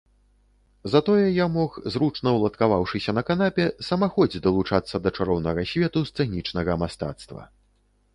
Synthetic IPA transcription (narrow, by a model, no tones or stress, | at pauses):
zat̪ɔjɛjamɔxzɾut͡ʂnɐwlˠɐt̪kavawʂɨsʲɐnɐkanapʲɛsɐmaxɔd͡zʲd̪ɐlˠut͡ʂat̪sːɐd̪ɐt͡ʂaɾɔwnɐɣɐsʲvʲɛt̪ust̪sɨɣnʲit͡ʂnɐɣɐmast̪a̰t̪st̪vɐ̰